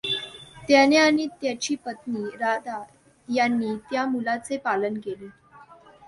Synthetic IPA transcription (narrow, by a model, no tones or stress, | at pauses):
t̪janeaɽ̃it̪jat͡ɕiːpət̪niːɾad̪a | janːiːt̪jamulat͡sepalənkeleː